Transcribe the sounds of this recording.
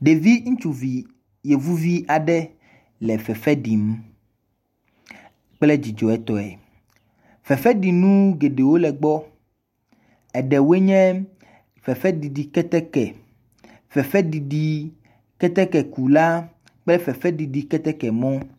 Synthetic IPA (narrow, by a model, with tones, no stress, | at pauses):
ɖe˨vi˦ŋũ˦t͡ʃu˨vi˨ | je˨vu˦vi˦a˨ɖɛ˦ | lɛ˨fɛ˨fɛ˦ɖi˨m | k͡plɛ˦d͡ʑi˨d͡ʒɔ˨ɛ˦t̪ɔ˨ɛ̰˨ | fɛ˨fɛ˦ɖi˨nũ˦ɡe˨ɖe˨wo˦lɛ˨ɡ͡bɔ˦ | ɛ˨ɖɛ˨we˦ɲɛ̃˦ | fɛ˨fɛ˦di˨ɖi˨kɛ˦t̪ɛ˦kɛ˨ | fɛ˨fɛ˦ɖi˨ɖi˨ | kɛ˦t̪ɛ˦kɛ˨ku˨la˦ | k͡plɛ˦fɛ˨fɛ˦ɖi˨ɖi˨kɛ˦t̪ɛ˦kɛ˨mɔ̃˦